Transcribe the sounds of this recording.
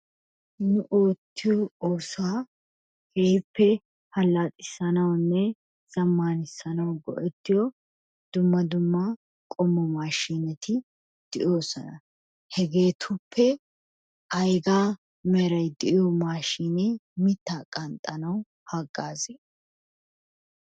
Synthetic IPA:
nʊʔoːt̪ːɪjɔoːsʊaː | hɛjpʰːɛ | hɐlːaːt̪ʼɪsɐnɐwnːɛ | z̥ɐmːaːnɪsːɐnɐwɡɔ̰ʔɛt̪ːɪjɔ | d̪̥ʊmːɐd̪ʊmːa | kʼɔmːɔmaːʃiːnɛt̪ʰɪ | d̪̥ɪʔo̞ːsɔnɐ | hɛɡe̞ːt̪ʰʊpʰːɛ | ʔɐjɡaː | mɛɾɐjd̪ɪʔɪjɔmaːʃiːnemɪt̪ːaːkʼɐnt̪ʼːɐnɐw | haɡːaːzeː

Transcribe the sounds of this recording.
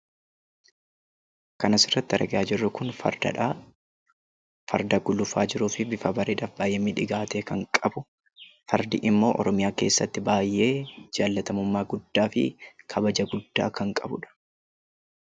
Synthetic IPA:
kɐnɐsɪrːɐt̪ːɪɐɾʔɐɡɪaːd͡ʒɪrːʊkʊnf | fɐ̰ɾd̪ɐɡʊlʊfa̰ːd͡ʒɪɾuːfɪbɪfɐbɐɾeːᶑaːfbaːjeːmɪᶑɪɡaːt̪eːkɐŋkʼɐbʊ | fɐɾd̪ɪ̰ʔɪmːo̞ːʔɔ̰ɾɔmɪjaːke̞ːsːɐt̪ːɪbaːjʔe̞ːd͡ʒaːlːɐt̪ɐmʊmːaːɡʊd̪ːaːfɪ̰kʰɐbɐd͡ʒɐɡʊd̪ːaːkɐŋkʼɐbʊᶑɐ̥

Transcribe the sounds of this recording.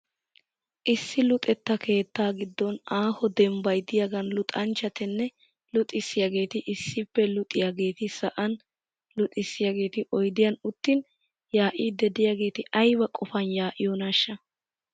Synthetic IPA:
ʔɪsːɪlʊt̪ʼɛt̪ːɐkʰe̞ːt̪ːaːɡɪd̪ːɔnaːhɔd̪ɛmbɐjd̪ɪjaɡɐnlʊt̪ʼɐnt͡ʃːɐt̪ɛnːɛ | lʊt̪ʼɪsːɪjaɡe̞ːt̪ɪʔɪsːɪpːɛlʊt̪ʼːɪjaɡe̞ːt̪ɪsɐʔɐn | lʊt̪ʼɪsːɪjaɡe̞ːt̪ɪʔɔjd̪ɪjɐnʊt̪ːɪn | jaːʔid̪ɛd̪ɪjaɡe̞ːt̪ɪʔɐjbɐkʼɔfɐnjaːʔɪ̰jɔnɐʃːɐ

